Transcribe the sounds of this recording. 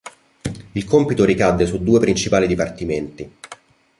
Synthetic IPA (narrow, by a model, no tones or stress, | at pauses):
ilkɔmpit̪oɾikad̪ːesud̪ːuːepɾint͡ʃipaːlid̪ipart̪iment̪i